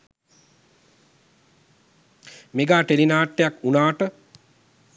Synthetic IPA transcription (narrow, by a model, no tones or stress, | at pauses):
meɡaːʈelinaːʈːejakunaːʈə